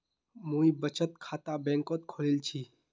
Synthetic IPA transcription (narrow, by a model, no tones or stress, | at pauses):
mũibət͡ʃət̪̚kʰaːt̪abɛ̃ːŋkot̪kʰoːlilt͡ʃʰiː